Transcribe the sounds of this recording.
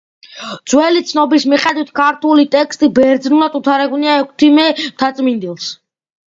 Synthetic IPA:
d̪z̥wɛlit̪sʰnɔbismiχʼɛd̪wit̪ʰkʰaɾt̪ʰulit̪ʼɛkst̪ʼibɛɾd̪znulat̪ʼut̪ʰaɾɛɡuniaɛkʰt̪ʰimɛmt̪ʰat̪sʼmind̪ilˠs

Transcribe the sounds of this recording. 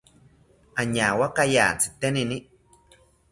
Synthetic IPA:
aɲawakaja̰ːnt͡si̥t̪enini

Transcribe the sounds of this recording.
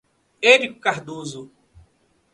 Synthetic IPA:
eɾiku̥kaɦd̪uzu

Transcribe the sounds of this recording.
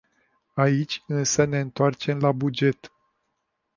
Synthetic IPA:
ait͡ʃʲɨnsəne̞ɨnt̪oart͡ʃe̞mlabud͡ʒe̞t̪

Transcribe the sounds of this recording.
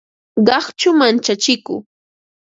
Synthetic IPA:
ɢɑχt͡ʃʊmant͡ʃat͡ʃɪkʊ̰

